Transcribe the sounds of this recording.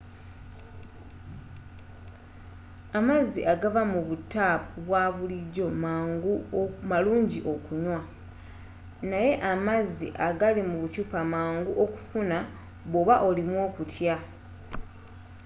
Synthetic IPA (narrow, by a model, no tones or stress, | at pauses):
amazːiʔaɡavamuβutːapuβwaβuliɟo̞maːŋɡumaluːɲɟiʔo̞kuɲwa | naje̞ʔamazːḭʔaɡalimuβucupamaːŋɡuʔoku̥funa | βoβaʔo̞limwo̞ːkutʰja